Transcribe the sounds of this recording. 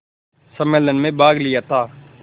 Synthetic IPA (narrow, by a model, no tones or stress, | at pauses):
səmeːlənmẽːbaːɡlɪjaːt̪ʰaː